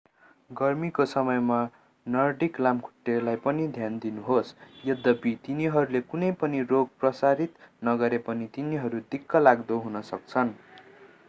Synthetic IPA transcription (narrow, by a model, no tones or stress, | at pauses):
ɡʌrmikosʌmʌjma | nʌrɖiklamkʰu̥ʈːelajpʌnid̪ʱjand̪inuɦosjʌd̪ːʌbit̪iniɦʌɾulekunʌjpʌniroɡ̚prʌsaɾit̪nʌɡʌɾepʌnit̪iniɦʌɾud̪ikːʌlaɡd̪oɦunʌsʌk̚t͡sʰʌn